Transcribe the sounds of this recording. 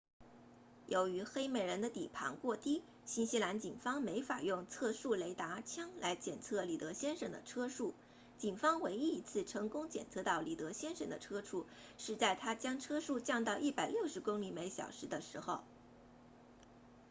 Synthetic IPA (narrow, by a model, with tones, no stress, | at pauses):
jo˧˥ʊy˧˥xe˥ɪme˨˩ɪɻə˧˥nd̪ə˧t̪i˨˩pʰɑ̰˧˥ŋkwɔ˥˩t̪i˥ | ɕi˥nɕi˥la˧˥nt͡ɕi˨˩nfɑ˥ŋme˧˥ɪfa˨˩jʊ˥˧ŋt͡sʰɤ˥˧ʂu˥˩le˧˥ɪt̪a˧˥t͡ɕʰjɑ˥ŋlʔa˧˥ɪt͡ɕjɛ˨˩nt͡sʰɤ˥˩li˨˩t̪ɤ˧˥ɕjɛ˥nʂə˨˩ŋd̪ə̰˦ʈ͡ʂʰɤ˥ʂu˥˩ | t͡ɕi˨˩nfɑ˥ŋwe˧˥ɪi˥i˧˥t͡sʰɹ̩˥˩ʈ͡ʂʰɤ˧˥ŋkʊ˥ŋt͡ɕjɛ̰˨˩nt͡sʰɤ˥˧t̪ɑ˥˩ʊli˨˩t̪ɤ˧˥ɕjɛ˥nʂə̰˨˩ŋd̪ə̰˦ʈ͡ʂʰɤ˥ʈ͡ʂʰu˥˩ | ʂɻ̩˥˧t͡sa˥˩ɪt̪ʰa˥t͡ɕjɑ˥ŋʈ͡ʂʰɤ˥ʂu˥˧t͡ɕjɑ˥˧ŋt̪ɑ˥˧ʊʔi˥˩pa˨˩ɪljo˥˩ʊʂɻ̩˧˥kʊ˥ŋli˧˥me˧˥ɪɕjɑ̰˨˩ʊʂɻ̩˧˥d̪ə˧ʂɻ̩˧˥xo˥˧ʊ